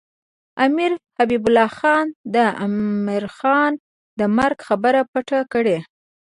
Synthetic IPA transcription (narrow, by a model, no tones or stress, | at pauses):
amiɾhabibʊlɑxɑnd̪əa̰miɾxɑn | d̪əmaɾɡxabəɾapaʈakəɽe